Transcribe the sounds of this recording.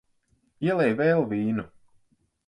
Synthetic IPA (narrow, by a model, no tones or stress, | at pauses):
iɛlˠɛjvɛːlˠviːnu